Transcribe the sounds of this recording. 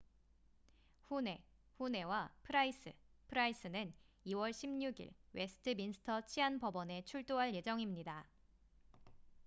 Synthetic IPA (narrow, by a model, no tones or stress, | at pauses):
ɸune̞ | ɸune̞wapʰɯɾais͈ʰɯpʰɯɾais͈ɯnɯn | iwʌɭɕʰimɲuɡḭɭwe̞sʰɯ̥tʰɯminsʰɯ̥tʰʌt͡ɕʰiɦanpʌbʌne̞t͡ɕʰuɭt͈oɦaɭje̞d͡ʑʌŋimɲida